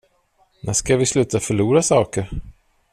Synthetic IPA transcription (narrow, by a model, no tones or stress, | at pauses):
nʔæʂkavɪslʉ̟ːt̪afœɭuːɾasɑːkəɾ